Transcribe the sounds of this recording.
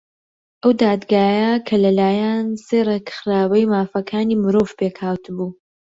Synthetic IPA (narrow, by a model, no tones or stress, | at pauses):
ʔɐwd̪aːd̪ɡaːjakʰɐlɐlaːjanseːrekxɾaːwɐjmaːfɐkʰaːniːmɨɾoːvpekhaːwt̪ʰɨbuː